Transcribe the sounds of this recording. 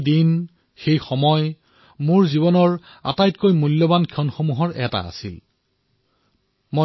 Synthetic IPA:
din | xejxɔmɔj | moɹziβɔnɔɹ | a̰tajtkojmulːobankʰɔnxomuɦɔɹɛta̰a̰sḭl | mo

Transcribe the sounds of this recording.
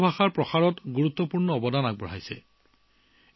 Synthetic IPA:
bʱaxaɹpɹɔxaɹɔtɡuɹut̪ːɔpuɹnɔɔbɔdanaɡ̚bɔɹ̤ɦajsɛ̰

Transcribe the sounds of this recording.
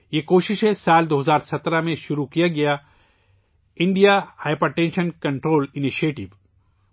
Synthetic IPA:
jeːkoːʃɪʃɦẽsaːld̪oːɦɐzaːɾsɐt̪ɾamẽʃʊɾukijaɡɐja | ɪ̃ɳɖijahaːɪpəɾʈẽːnʃənkɐ̃ɳʈɾoːlɪniʃieːʈɪʋ

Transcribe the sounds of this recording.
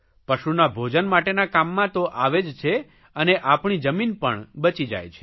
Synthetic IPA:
pəʃunabʱod͡ʒənmaʈenakamːãt̪oʔaʋed͡ʒt͡ʃʰe | əneʔapɳid͡ʒəminpəɳbət͡ʃid͡ʒa̰jt͡ʃʰe̥

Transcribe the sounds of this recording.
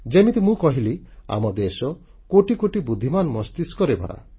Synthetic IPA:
d͡ʒemit̪imũkɔɦilia̰mɔd̪esɔ | koʈikoʈibud̪ʱːimanmɔst̪iskɔɾebʱɔ̰ɾa̰

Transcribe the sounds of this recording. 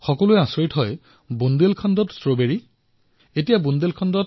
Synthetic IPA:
xɔkɔlʊɛãsoɹitɦɔj | bundelkʰandɔtstɹobeɹi | etijabundelkʰandɔt

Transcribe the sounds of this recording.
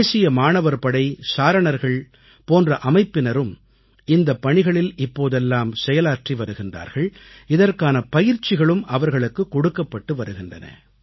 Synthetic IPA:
eːsɪjɐmaːnɐʋɐɾpɐɽɐɪsaːɾɐɳɐɾɣɐɭ | poːndrɐʔɐmɐɪpːɪnɐɾɯm | ɪnd̪ɐpːɐɳɪɣɐɭɪlɪpːoːðɛlːaːmsɛjɐlaːʈriʋɐɾɯɣɪndra̰ːɾɣɐɭɪðɐrkaːnɐpɐjɪɾt͡ʃːɪɣɐɭɯmʔɐʋɐɾɣɐɭɯkːɯkːɔɽɯkːɐpːɐʈːɯʋɐɾɯɣɪndrɐ̰nɐ̰

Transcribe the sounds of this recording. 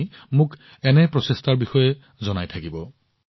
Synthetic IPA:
mʊk | ɛnɛpɹɔsestaɹbixɔjɛ | zɔnajtʰakibɔ

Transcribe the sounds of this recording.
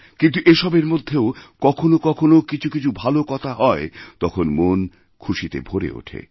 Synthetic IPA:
kint̪̬uʔeʃɔbeɾmod̪ʱːeokɔkʰonokɔkʰonokit͡ɕʰukit͡ɕʰubʱalokɔt̪ʰaɦɔet̪ɔkʰonmon | kʰuʃit̪ḛbʱoɾḛo̰ʈʰḛ

